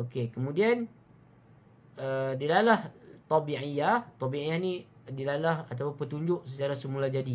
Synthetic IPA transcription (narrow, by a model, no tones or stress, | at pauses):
okekəmũdian | ədilalaht̪ɑbiʕijaht̪ɔbiʔijahnĩ | dilalahat̪apʊnpət̪uɲd͡ʒʊʔsət͡ʃaɾasəmulad͡ʒadi